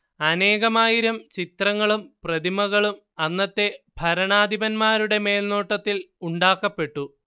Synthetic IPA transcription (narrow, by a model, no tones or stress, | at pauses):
ɐne̞ːɣɐmaːjiɾɐmt͡ɕit̪rɐŋːɐɭumprɐd̪imɐɣɐɭum | ɐnːɐt̪ːe̞bʱɐɾɐɳaːd̪ʱibɐnmaːɾuɽe̞me̞ːlno̞ːʈːɐt̪ːiluɳɖaːkːɐpːe̞ʈːu